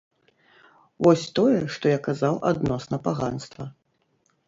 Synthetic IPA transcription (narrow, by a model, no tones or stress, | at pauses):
vɔsʲt̪ɔjɛʂt̪ɔjakazawʔa̰d̪nɔsnɐpaɣanst̪vɐ